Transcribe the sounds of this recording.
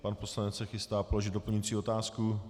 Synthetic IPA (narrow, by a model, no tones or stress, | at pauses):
panpo̞slanɛt͡ssɛxɪst̪aːpolo̞ʒɪd̪do̞plɲujit͡siːo̞t̪aːsku